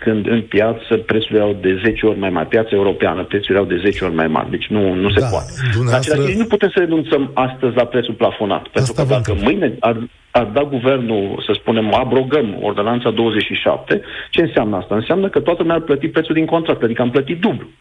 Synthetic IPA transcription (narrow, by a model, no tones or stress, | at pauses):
kɨnd̪ɨnpjat̪səpɾet̪suljawd̪e̞ze̞t͡ʃeo̞rʲmajma̰rʲpjat̪sae̞uɾo̞pea̰nəpɾet̪sulawd̪e̞ze̞t͡ʃeo̞rʲma̰jma̰rʲd̪e̞t͡ʃʲnunuse̞poa̰t̪eɨnae̞laʃt̪inuput̪e̞msəɾe̞nunt̪səmast̪əzʲlapɾet̪sulplafo̞na̰t̪pe̞nt̪ɾukəd̪akəmɨjne̞ar | ard̪aɡuve̞rnusəspune̞moabɾo̞ɡəmo̰rd̪o̞nant̪sad̪o̞wəze̞t͡ʃʃiʃa̰p̚t̪e̞t͡ʃe̞ɨnseamnəast̪aɨnseamnəkət̪oat̪əlumarplət̪ipɾet̪suld̪iŋko̞nt̪ɾakt̪ad̪ikəamplət̪it̪̚d̪ublu